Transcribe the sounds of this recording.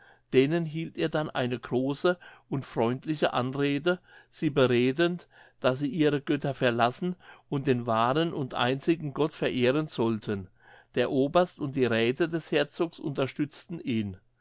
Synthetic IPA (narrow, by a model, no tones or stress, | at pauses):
d̥eːnənɦiːlteːɐdanʔa̰ɪnəɡʁoːsəʔʊntfʁ̥ɔʏntʰlɪçəʔa̰nʁeːdəz̥iːbəʁeːdənt | d̥asziːʔiːʁəɡ̥œtɐfɛɐlasn̩ʔʊnt̚d̥eːnvaːʁənʔʊntʔa̰ɪnt͡sɪɡŋ̩ɡɔtfɛɐʔeːʁənz̥ɔltʰən | d̥eːɐʔoːbɐstʊnt̚d̥iːʁɛːtʰədɛshɛɐt͡soːksʔʊ̰ntɐʃtʏt͡stn̩ʔiːn